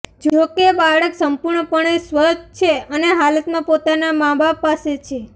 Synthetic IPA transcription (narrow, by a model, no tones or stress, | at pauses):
d͡ʒokebaɽəksəmpuɾɳəpəɳesʋət͡ʃʰeəneɦalət̪mãpot̪anamãbapaset͡ʃʰe